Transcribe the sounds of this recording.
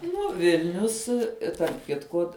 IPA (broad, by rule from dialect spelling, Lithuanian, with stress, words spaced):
ˈnʊ ˈʋʲɪlʲnʲʊs tɐrp ˈkʲɪtkʊ